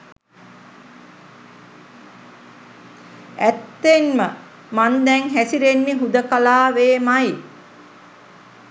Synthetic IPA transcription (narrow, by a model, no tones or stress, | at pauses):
æt̪ːenmə | mand̪ɛŋɦæsiɾenːiɦud̪əkalaːʋeːmaji